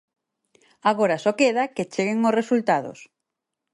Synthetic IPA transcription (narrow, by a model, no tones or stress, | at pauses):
aɣoɾasɔkeðaket͡ʃeɣeŋʊsresult̪aðʊ̰s